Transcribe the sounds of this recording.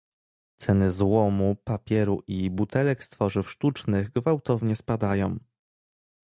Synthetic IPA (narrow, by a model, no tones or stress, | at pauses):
t̪sɛnɘzwɔmupapʲjɛɾuʔibut̪ɛlɛkst̪fɔʐɘfʂt̪ut͡ʂnɘɣɡvawt̪ɔvɲɛspad̪ajɔ̃w̃